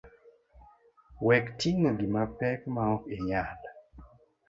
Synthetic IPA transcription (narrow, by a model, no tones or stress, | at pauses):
wɛktiŋoɡimapɛkmaɔeɲal